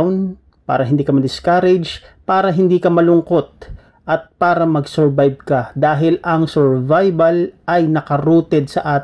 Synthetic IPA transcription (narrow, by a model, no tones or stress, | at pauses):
wn | pa̰ːɾɐɦɪnd̪iːkɐmɐd̪ɪskaɾɛd͡ʒpaːɾɐɦɪnd̪iːkɐmɐlʊŋkot̪̚ | ʔɐt̪̚paːɾɐmɐɡsɛɹbajb̚kɐd̪aːɦɪlɐŋsɛɹvajbɐlʔɐjnɐkɐɾuːt̪ɛd̪̚sɐʔaːt̪